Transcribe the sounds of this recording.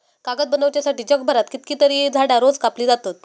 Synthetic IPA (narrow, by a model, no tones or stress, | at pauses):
kaɡət̪̚bənəʋt͡ɕjasaʈiːd͡ʑəɡ̚bʱəɾat̪kit̪kiːt̪əɾiːd͡zʱaɽjaɾod͡zkapliːd͡zat̪ot̪